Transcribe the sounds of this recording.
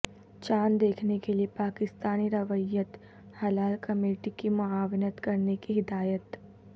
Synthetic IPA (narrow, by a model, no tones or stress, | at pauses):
t͡ʃaːnd̪eːkʰnekeliepaːkɪst̪aːniɾɐʋəjət̪ | hɐlaːlkɐmeːʈikimʊaːʋɪnət̪kɐɾnekiɦɪd̪aːjət̪